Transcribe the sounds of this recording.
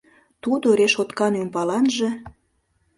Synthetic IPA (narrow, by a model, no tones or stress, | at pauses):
t̪ud̪oɾeʃot̪kɑnympɑlɑnʒĕ